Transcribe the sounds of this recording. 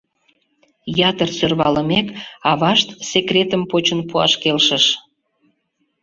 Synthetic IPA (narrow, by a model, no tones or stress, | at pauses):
jɑt̪ərsørβɑləmekɑβɑʃt̪sekrʲet̪əmpot͡ɕənpuɑ̰ʃkelʃəʃ